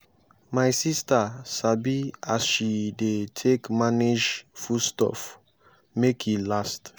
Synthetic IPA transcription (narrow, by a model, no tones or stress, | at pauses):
majsistasabiasʃidetʰekmaned͡ʒfustɔ̰f | mekʰhilast